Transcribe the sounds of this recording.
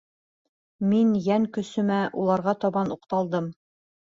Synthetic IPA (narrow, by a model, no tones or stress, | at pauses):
minjæŋkɵ̆sɵ̆mæʔulˠɑɾʁɑt̪ɒβɑnuqt̪ɑlˠd̪ɤm